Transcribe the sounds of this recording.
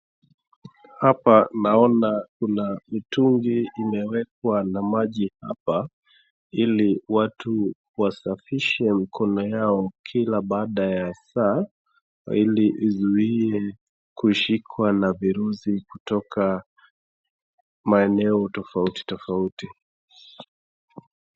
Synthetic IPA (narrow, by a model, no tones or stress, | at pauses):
hapanaɔnakunamituŋɡiːmɛwɛk̚wanamaʄiha̰pa | iliwatu | wasafiʃɛm̩kʰɔnɔjaɔkʰilaɓaːɗajasa̰ | iliʔizuiɛ | kuʃikʰwanaviɾusikutɔkʰa | maɛnɛɔtɔfauti̥tɔfauti